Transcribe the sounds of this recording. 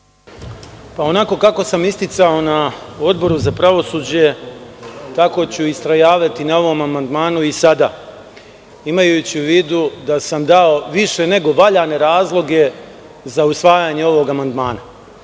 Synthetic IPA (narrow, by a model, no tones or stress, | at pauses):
pao̞nako̞kako̞samist̪it̪sao̞nao̞d̪bo̞ɾuzapɾaʋo̞suːd͡ʑe̞ | t̪ako̞t͡ɕuist̪ɾajaːʋat̪inao̞ʋo̞mamand̪maːnuisad̪aː | imajut͡ɕiuʋiːd̪ud̪asamd̪ao̞ʋiʃe̞ne̞ɡo̞ʋaʎane̞ɾaːzlˠo̞ɡe̞ | zausʋaːjaɲe̞o̞ʋo̞ɡamand̪maːna